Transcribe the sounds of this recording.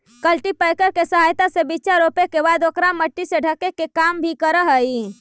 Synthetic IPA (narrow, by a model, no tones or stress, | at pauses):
kəlʈipəjkəɾkesəɦajt̪asebiːt͡ʃaɾopekebad̪okɾaməʈːiseɖʱəkekekambʱikəɾəɦəi